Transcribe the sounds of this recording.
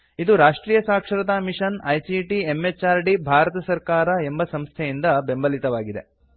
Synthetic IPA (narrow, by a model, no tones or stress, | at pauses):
id̪uɾaːʂʈɾiːjɐsaːkʂɐɾɐt̪aːmiʂɐnɐjsiʈiemːet͡ʃːaːɾɖibʱaːɾɐt̪ɐsɐɾkaːɾɐe̞mbɐsɐmst̪ʰejind̪ɐbembɐlit̪ɐʋaːɡid̪e̞̰